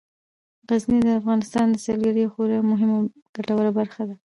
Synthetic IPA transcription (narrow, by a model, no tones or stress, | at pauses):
ɣaznid̪əafɣɑnɪst̪ɑnd̪əsɑlɡaɾijawxoɾamʊɦɪma | ɡ̥aʈawəɾabaɾxad̪a